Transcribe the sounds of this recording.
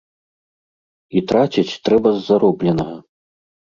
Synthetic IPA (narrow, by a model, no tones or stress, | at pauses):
it̪ɾat͡sʲit͡sʲt̪ɾɛbɐzːaɾɔblʲɛnɐɣɐ